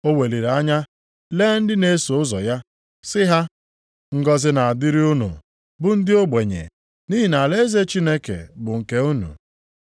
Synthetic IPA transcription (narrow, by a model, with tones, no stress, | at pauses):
o˦we˨li˨ɾa˦ɲa˦ | le˦n̩˦dɪ˦ne˨˦so˨ʊ˦zɔ˨ja˦ | sɪ˦ɦa˦ | ŋ̩˦ɡɔ˦zɪ˦na˨a˨dɪ˦ɾi˦ʊ˦nṵ˨ | bʊ˦n̩˦dɪ˦o˦ɡ͡be˨ɲḛ˨ | ni˦ɦi˨na˨le˦ze˦t͡ʃi˦ne˦kḛ˨bʊ˨ŋ̩˨ke˨u˦nṵ˨